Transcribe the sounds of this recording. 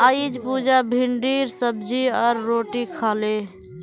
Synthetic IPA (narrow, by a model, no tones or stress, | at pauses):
aid͡ʒpud͡ʒabʱiɳɖiɾsəbd͡ʒiɔɾːoʈikʰale